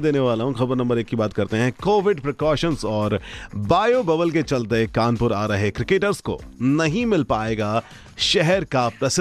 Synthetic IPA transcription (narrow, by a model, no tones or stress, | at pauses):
d̪eːneʋaːlaɦũxɐbəɾnɐ̃mbəɾeːkːibaːt̪̚kɐɾt̪eɦɛ̃koːʋɪɖpɾɪkɔːʃənzɔːɾbaːjobɐbəlk̬et͡ʃɐlt̪ekaːnpʊɾaːɾɐɦekɾɪkeːʈəɾsko̰nɐɦĩmɪlpaːeːɡa | ʃɛɦɛɾkap̚t̪ɐs